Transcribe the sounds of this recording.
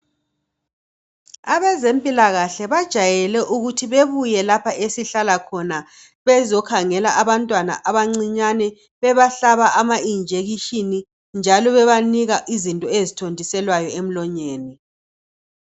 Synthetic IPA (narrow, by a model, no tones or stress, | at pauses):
aβɛzempʼilaɣaɬɛβad̥ʒ̥ʱajɛlɛʔuɣutʰiβeβujɛlapʰaʔesiɬalakʰɔna | βɛzɔkʰaŋɛlaʔaβantʼwana̰ʔaβaŋ͡ǀiɲanɛ | βɛβaɬaβaʔamaind͡ʒʱeɣiʃini | nd͡ʒʱalɔβɛβaniɣaʔizintʼɔezitʰondʱisɛlwajɔem̩lɔɲeːni